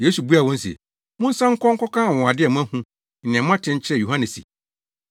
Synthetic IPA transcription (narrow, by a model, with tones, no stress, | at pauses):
jeː˦su˨bu˦a˨wɔ̃˦n̩˦sḭ˨ḛ˨ | mʊ̃˦n̩˦sã˦ŋ̩˦kʰɔ̃˦ŋ̩˦kʰɔ˦kʰãː˦˨wɔ̃˨a˨dɪ˦ɛ˨mã˦hũ˦ | n̩˨nɪ̃˨ɛ̃˨mã˦tʰɪ̃˦ɲ̩˦t͡ɕʰɪ˦ɾɛ˦˨ju˨hã˦nɪ̃˨sḭ˨